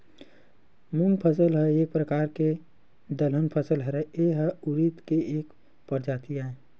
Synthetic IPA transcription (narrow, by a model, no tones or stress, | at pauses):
mũŋɡpʰəs̬əlɦəeːk̚pɾəkaːɾke | d̪ələnpʰəsəlɦəɾɛeɦəuɾit̪keeːk | pəɾd͡ʒaːt̪iaːe